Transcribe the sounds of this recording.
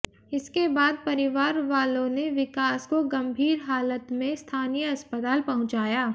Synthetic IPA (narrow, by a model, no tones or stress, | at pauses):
ɪskebaːd̪̚pɐɾɪʋaːɾʋaːlõneʋɪkaːskoɡɐ̃mbʱiːɾɦaːlət̪mẽst̪ʰaːnijəɐspət̪aːlpɐɦʊ̃t͡ʃaːjaː